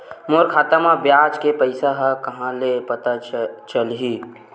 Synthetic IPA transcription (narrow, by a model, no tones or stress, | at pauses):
moɾkʰaːt̪əmãbjaːd͡ʒkepəɪsaɦakɐɦãlepɐt̪at͡ʃəlɦi